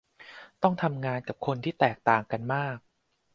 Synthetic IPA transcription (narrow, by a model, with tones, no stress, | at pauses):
t̪ɔ˥˩ŋt̪ʰa˧mŋaː˧nka˨˩p̚kʰo˧nt̪ʰiː˥˩t̪ɛː˨˩k̚t̪aː˨˩ŋka˧nmaː˥˩k̚